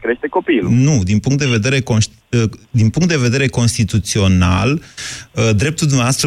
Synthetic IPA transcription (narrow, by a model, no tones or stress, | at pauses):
kɾe̞ʃt̪eko̞pilnud̪inpuŋkt̪d̪e̞ve̞d̪e̞ɾe̞kons | əd̪inpuŋkt̪d̪e̞ve̞d̪e̞ɾe̞ko̞nst̪it̪ut̪sio̞na̰ləd̪ɾe̞p̚t̪uld̪umneaast̪ɾə